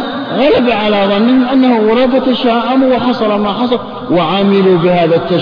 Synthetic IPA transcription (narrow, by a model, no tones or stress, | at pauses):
ɣalabaʕalaðˤɑnːɪhɪmʔanːahʊwʊɾˤɑːfat̪aʃaːʔamuwɪħɑsˤɑlɑmaħɑsˤɑl | wɪʕamɪlubɪhaːðat̪ːa